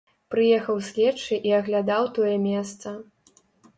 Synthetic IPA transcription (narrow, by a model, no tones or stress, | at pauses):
pɾɨjɛxɐwsʲlʲɛt͡ʂɨʔiɐɣlʲad̪awt̪ɔjɛmʲɛst̪sɐ